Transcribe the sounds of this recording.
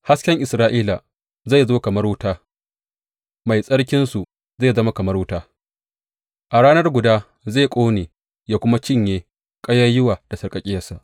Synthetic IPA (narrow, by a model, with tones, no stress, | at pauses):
ha˦skʲɛ˦ŋʔɪ˨sɾaː˦ʔiː˦la˨ | za˦˨jzoː˦kɐ˨mɐ˦rwʊ˦taː˦ | ma˨jsʼɐ˦ɽkʲɪ˦nsu˨ | za˦˨zɐ˦ma˦kɐ˨mɐ˦rwʊ˦taː˦ | ʔa˨ɽaː˦nɐ˦rɡʷʊ˨daː˦ | za˦˨kʷʼoː˦neː˨ | jaː˦˨kʷʊ˦ma˦t͡ʃɪ˦ɲjeː˦ | kʼɐ˦ja˦jʊ˦waː˨d̥a˨sɐ˨kʼɐ˨kʲʼɪ˦jɐ˨sa˨ʔ